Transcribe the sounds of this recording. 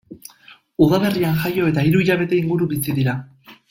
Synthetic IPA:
uð̞ale̞rianʝajo̞e̞t̪aiɾuiʎaβ̞e̞t̪e̞iŋɡuɾuβit͡siðiɾa

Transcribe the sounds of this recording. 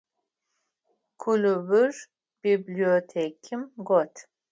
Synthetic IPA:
kʰulubɨr | b̥ibliot̪ʰekʰimɡɔt̪ʰ

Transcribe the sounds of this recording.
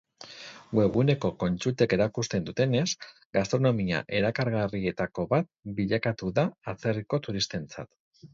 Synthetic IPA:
ɡwe̞ɣ̞une̞ko̞ko̞nt͡ʃut̪e̞ke̞ɾakust̪e̞nd̪ut̪e̞ne̞s | ɡast̪ɾo̞no̞mia̰ʔe̞ɾakaɾɣarie̞t̪ako̞βat̪̚biʎakat̪uðaːt͡se̞riko̞t̪uɾist̪e̞nt͡sa̰t̪

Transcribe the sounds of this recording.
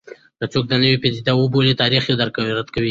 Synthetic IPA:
d̪ət͡sok̚d̪ənəwipezid̪awobolet̪ɑɾiχed̪əɾkaɾat̪kawi

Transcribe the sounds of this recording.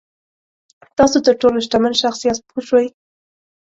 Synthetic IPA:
t̪ɑsot̪əɾʈoloʃʈamənʃaxsijat̪poʃwaj

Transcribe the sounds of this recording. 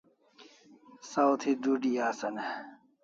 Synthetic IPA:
sawt̪ʰid̪uɖijaːsɐne

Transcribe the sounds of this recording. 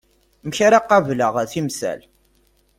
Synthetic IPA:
məçaɾaqːɑvləʁθimsæ̰l

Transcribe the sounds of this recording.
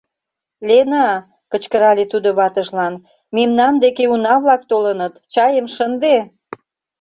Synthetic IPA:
lenɑ | kət͡ɕkəɾɑlet̪ud̪oβɑt̪əʃlɑn | memnɑnd̪ekeunɑβlɑk̚t̪olənət̪t͡ɕɑjəmʃənd̪e

